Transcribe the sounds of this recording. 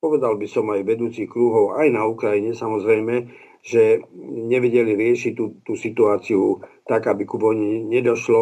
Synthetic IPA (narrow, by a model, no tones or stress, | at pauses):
pɔʋɛd̪albisɔmajʋɛd̪uːt͡sixkɾuɦɔʊajnaukɾaiɲɛsamɔzɾɛjmɛ | ʒɛɲɛʋɛɟɛliɾɪɛʃic̪ut̪uːsit̪uaːt͡siut̪aɡabikubɔɲiɲɛd̪ɔʃlɔ